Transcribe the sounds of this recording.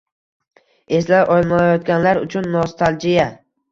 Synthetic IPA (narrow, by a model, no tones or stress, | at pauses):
e̞slaɾʔɒjlˠmaajɒt̪̚ɡʲanlaɾʊ̰t͡ʃʰʊnːɒst̪ʰalˠd͡ʒɪja